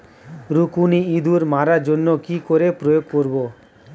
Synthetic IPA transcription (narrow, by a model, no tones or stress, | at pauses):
ɾukuniid̪ʱuɾmaɾaɾd͡ʑonːokikoɾepɾojoɡ̚koɾbo